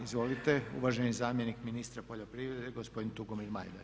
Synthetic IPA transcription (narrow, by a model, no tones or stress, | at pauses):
izʋo̞lit̪e̞ṵʋaʒenizaːmjenikminist̪ɾapoʎopɾiʋɾe̞d̪eɡospod̪int̪uɡomiɾma̰jd̪a